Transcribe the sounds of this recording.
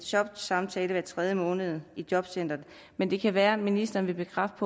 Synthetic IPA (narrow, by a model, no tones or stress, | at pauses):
ɕɒ̽b̥̚d̥sɑ̈mt͡sʰɛːləʋæɐt͡sʰʁɛð̞ˠjəmɔ̽ːnəð̞ˠid̥jɒ̽b̥sen̰d̥ɐn | mend̥e̝kʰæʋæːɐminisd̥ɐːnʋe̝b̥e̝ɡ̥ʁɑ̈fd̥pʰɒ̽